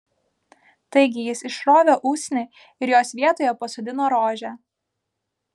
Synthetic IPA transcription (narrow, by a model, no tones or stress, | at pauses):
t̪ɐɪɡʲɪjɪsɪʃɾoːʋʲoːʔuːsʲnʲe | ɪɾjoːsʋʲiɛt̪oːjɛpɐsod̪ʲɪnoːɾoːʒʲæː